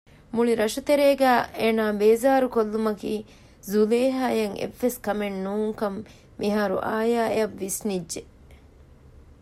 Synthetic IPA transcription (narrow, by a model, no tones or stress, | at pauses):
muɭiɾɐʃut̪eɾeːɡæːʔeːnaːbeːzaːɾukolːumɐkiː | zuleːɦaːjɐŋʔḛʋːeskɐmennuːŋkɐmː | ʔiɦaːɾṵʔaːjaːeɐʋːisnidʒe